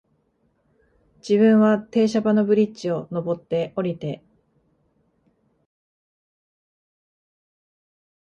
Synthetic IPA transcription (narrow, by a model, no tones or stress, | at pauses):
d͡ʑiβɯ̟̃ɰ̃βat̪e̞ːɕabano̞bɯ̟ɾʲit͡ɕio̞no̞bo̞t̪ːe̞ʔo̞ɾʲit̪e̞